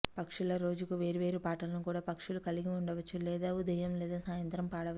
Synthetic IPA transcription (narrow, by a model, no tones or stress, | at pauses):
pɐkʂulɐɾo̞ːd͡ʒukuʋe̞ːɾiʋe̞ːɾupaːʈɐlɐnukuːɽaːpɐkʂulukɐliɡiuɳɖɐʋɐt͡ʃːulɛːd̪aːud̪ɐjɐmlɛːd̪aːsaːjɐnt̪ɾɐmpaːɽɐʋ